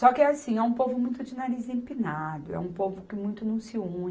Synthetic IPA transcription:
sɔkɪɛasĩɛũpovʊmũj̃t̪ʊd͡ʒɪnaɾizẽpinad̪ʊɛ̰ũpovʊkɪmũj̃t̪ʊnɐ̃w̃sɪũ

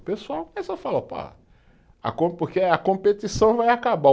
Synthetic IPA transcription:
pesuawɛsɔfalopa̰ | a̰kõpoɾkeɐkõpet̪isɐ̃w̃vajakaba

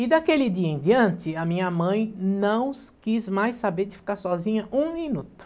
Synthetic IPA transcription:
ɪd̪akelɪd̪iɐẽd̪iɐ̃nt̪ɪɐmĩɲɐmɐ̃j̃nɐ̃w̃skizmajsabeɾd̪ɪfi̥kaɾsɔzĩɲɐʔũminut̪ʊ̥

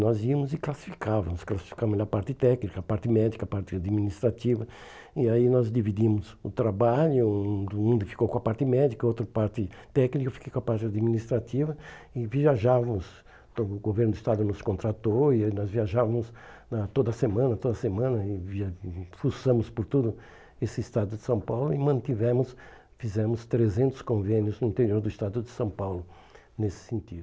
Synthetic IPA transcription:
nɔziɐmʊzɪklasi̥fi̥kavɐmʊsklasi̥fi̥kavɐmɛlɐpaɾt̪ɪt̪ɛknikɐːpaɾt̪ɪmɛd̪ikɐpaɾt̪ɪad̪minist̪ɾat̪ivɐ | ɪainɔzd̪ivid̪imʊzʊt̪ɾabaʎʊũũd̪ɪfi̥kowkõɐpaɾt̪ɪmɛd̪ikɐot̪ɾɐpaɾt̪ɪt̪ɛknikɐfi̥kejkõɐpaɾt̪ɪad̪minist̪ɾat̪ivɐɪviaʒavɐmʊs | t̪õʊɡoveɾnd̪ʊist̪ad̪ʊnʊskõnt̪ɾat̪oɪnɔzviaʒavɐmʊsnɐt̪od̪ɐsemɐ̃nɐt̪od̪ɐsemɐ̃nɐɪvifusɐ̃mʊspʊɾt̪ud̪ʊ | esɪist̪ad̪ʊd̪ɪsɐ̃w̃pawlʊɪmɐ̃nt̪ivɛ̃mʊs | fizɛ̃mʊst̪ɾezẽnt̪ʊ̥skõvẽnjʊznʊĩt̪eɾioɾd̪ʊist̪ad̪ʊd̪ɪsɐ̃w̃pawlʊ | nesɪ̥sẽnt̪id̪ʊ

